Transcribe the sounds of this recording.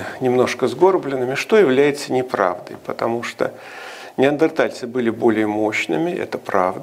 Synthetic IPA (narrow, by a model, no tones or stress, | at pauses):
nʲɪmno̞ʂkəzɡo̞rblʲɪnːɨmʲɪʂt̪o̞jɪvlʲæjɪt̪sənʲɪpɾa̰vd̪ə̰jpət̪ɐmuʂt̪o̰ | nʲɪɐnd̪ərt̪alʲt̪sɨbɨlʲɪbo̞lʲɪjəmo̞ɕnɨmʲɪʔɛ̰t̪əpɾavd̪ə